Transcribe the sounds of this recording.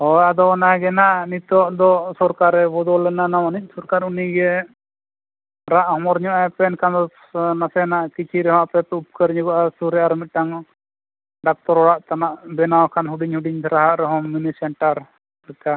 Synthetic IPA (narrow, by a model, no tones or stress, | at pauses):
hɔjad̪ɔanaɡɛnaʔnit̪ɔʔd̪ɔsɔɾkaɾɛbɔd̪ɔlɛnanamanit̪̚sɔɾkaɾuniɡɛ | ɾaʔhɔmɔɾɲɔʔapɛnkʰand̪ɔ | nasɛnaʔkit͡ʃʰiɾɛɦɔmaʔpɛpɛup̚kəɾɲuɡɔʔasuɾɛaɾmit̪̚ˀʈaŋ | ɖak̚t̪ɔɾɔɽaʔt̪anaʔbɛnawkʰanɦuɖiɲhuɖiɲt̪ʰɾaɦaʔɾɛɦɔŋːunisɛɳʈaɾ | ɾɛka